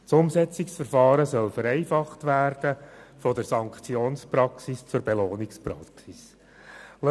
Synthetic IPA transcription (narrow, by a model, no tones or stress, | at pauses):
sʊmsɛt͡sɪksfəɾfɑːɾəsœlfəɾɛɪfɑχtʋæːɾd̥əfɔdəɾsɑŋkχt͡sjoːnspɾɑksist͡sʊɾbeloːnɪkspɾɑksis | l